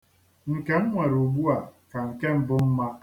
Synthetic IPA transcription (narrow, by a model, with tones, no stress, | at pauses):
ŋ̩˨ke˨ŋ̩˦ŋʷe˨ɾo˨ɡ͡bu˦a˨ka˨ŋ̩˨ke˦m̩˨bʊ˦m̩˦ma˦